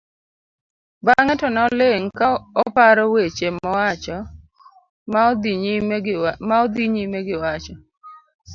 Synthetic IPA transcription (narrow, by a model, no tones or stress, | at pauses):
baŋɛtɔnɔlɪŋkaɔpaɾɔwet͡ʃemɔwat͡ʃɔ | maɔd̪iɲimeɡɪwat͡ʃɔ